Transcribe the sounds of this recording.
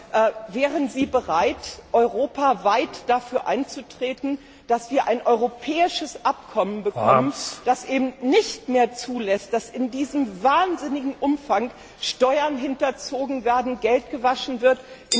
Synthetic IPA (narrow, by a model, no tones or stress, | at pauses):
ʔɛːvɛːʁənziːbəʁaɪtʔɔʏʁoːpavaɪtd̥afyːɐʔaɪnt͡sutʁ̥eːtn̩ | d̥asv̥iːɐʔaɪnʔɔʏʁopʰɛːɪʃəsʔap̚kʰɔmənbəkʰɔmənd̥asʔeːbm̩nɪçtmeːɐt͡suːlɛst̚d̥asɪndiːzəmvaːɐnzɪnɪɡŋ̩ʔʊmfaŋ | ʃtɔʏɐnɦɪntɐt͡soːɡŋ̩veːɐdn̩ɡɛlt̚ɡ̥əvaʃn̩vɪɐtʔɪ